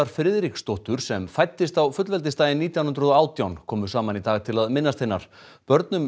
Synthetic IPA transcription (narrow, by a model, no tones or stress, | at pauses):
aɾ̥fɾɪðɾikst̪ɔht̪ʏɾ̥sɛmfajt̪ːɪst̪awfʏt̪lvɛlt̪ɪst̪aːjɪnːiːt̪jawnʏnɾʏðɔaːwt̪jawnkʰɔːmʏ̥saːmanit̪aːɣt̪ʰɪlaðmɪnːast̪θejnːaɾ̥ | pœɾt̪nʏm